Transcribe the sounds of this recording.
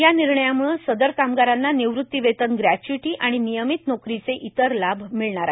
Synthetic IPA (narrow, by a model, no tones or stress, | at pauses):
janiɾɳəjamuɭsəd̪əɾkamɡaɾanːaniʋɾut̪ːiʋet̪ənɡɾæt͡ɕuiʈiːʔaɽ̃inijəmit̪nokɾit͡seʔit̪əɾlabʱmiɭɳaɾa